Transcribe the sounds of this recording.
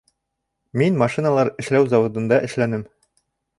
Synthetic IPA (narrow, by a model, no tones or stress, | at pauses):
minmɑʃinalˠɑɾɘ̆ʃlæwzɑwŏd̪ɤ̆nd̪ɑʔɘ̆ʃlænɘm